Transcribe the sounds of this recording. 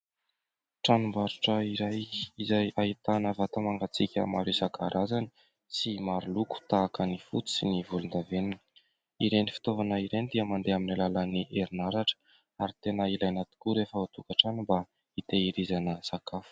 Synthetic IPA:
ʈ͡ʂanumbaɾuʈ͡ʂəiɾajizajait̪anəvat̪amaŋɡat͡sikʲə̰maɾesakaɾʔazani̥ | simaɾuluku̥t̪aːkənifut͡si̥sinivulund̪avenini̥ | iɾenifi̥t̪ovanəiɾend̪iəmand̪eaminalalaniʔeɾinaɾaʈ͡ʂə̥ | aɾit̪enəilajnat̪i̥kuɾefəat̪ukaʈ͡ʂanimba | it̪eiɾizanəsakafu̥

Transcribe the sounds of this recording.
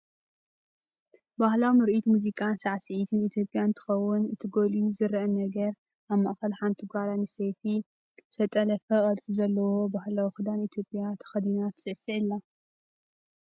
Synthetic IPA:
bahlawmɨɾʔit̪muzikʼansaʕsɨʕit̪ʰɨnit̪ʰjo̞pʼjant̪ʰɨ̥xɐwːʊnɨt̪ʰiɡo̞lizɨɾʔɐnɐɡɐɾ | ʔaβma̰ʔxɐlħant̪ʰiɡʷaɾanɨsefi | sɐt̪ʼɐlɐfɐχʼɐlt͡sʼizɐlːɐwo̞bahlawixɨd̪anit̪ʰjo̞pʼjat̪ʰɐ̥xɐd̪inat̪sɨʕsiʕilːa

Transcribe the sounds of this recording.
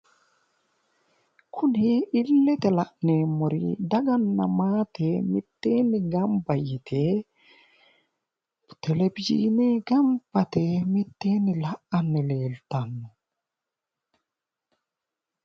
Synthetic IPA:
kʰʊnɪɪlːɛt̪ɛlɐʔneːmːɔɾɪ̰d̪ɐɡɐnːɐ̰maːt̪ɛmɪt̪ːeːnːɪɡɐmbɐjɪt̪ʰe | t̪ʰɛlɛbɪd͡ʒḭːnɪɡɐmb̥ɐt̪ɛmɪt̪ːeːnːɪlɐʔɐnːɪle̞ːlt̪ɐnːɔ

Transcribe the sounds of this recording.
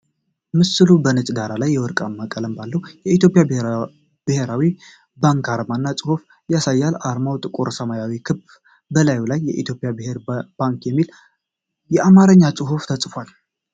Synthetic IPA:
mɨsɨlubənət͡ʃʼd̪aɾalajːɛwɔɾkʼamːakʼələmbalːəwjɛit̪jo̞pʼjab | b̥ɨhe̞ɾawi | baŋkaɾmanːat͡sʼɨhuf | jasajːalaɾmawt̪ʼɨkʼoɾsəmajawikʰɨb | bəlajulajːɛʔit̪ʰjo̞pʼɪjabɨhe̞ɾb̥aŋkjɛmːil | jɛʔamaɾəɲːat͡sʼɨɦuft̪ʰəsʼfwal

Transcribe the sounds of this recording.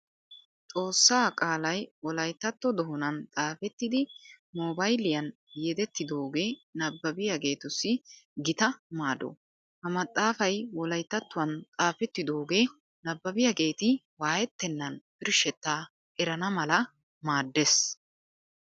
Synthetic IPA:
t̪ʼo̞ːsːaːkʼaːlɐjwɔlɐjt̪ːɐt̪ːɔd̪ɔɦɔnɐnt̪ʼaːfɛt̪ːɪd̪ɪmoːbɐjlɪjɐn | jɛd̪ɛt̪ːɪd̪oːɡe̞ːnɐbːɐbɪjɐɡe̞ːt̪ʊsːɪɡɪt̪ɐmaːd̪ɔ̰ | hɐmɐt̪ʼːaːfɐjwɔlɐjt̪ːɐt̪ːʊwɐnt̪ʼaːfɛt̪ːɪd̪oːɡe̞ː | nɐbːɐbɪjaɡe̞ːt̪ɪ | waːjɛt̪ːɛnːɐnb̥ɪɾʃɛt̪ːaː | ʔɛɾɐnɐmɐlɐ | maːd̪ːes

